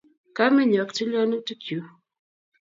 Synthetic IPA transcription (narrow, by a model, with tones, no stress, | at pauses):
ka˦mi˦ɲɔ˨kti˦lɔ˦nu˦ti˦kju˨˦